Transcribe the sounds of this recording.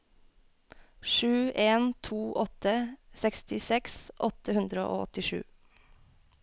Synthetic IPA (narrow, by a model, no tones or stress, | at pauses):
ʃʉːʔeːnt̪ʰuːʔɔt̪əsɛkst̪ɪsɛksʔɔt̪əhʉnd̪ɾəo̰ːo̰ːɔt̪ɪʃʉ̰ː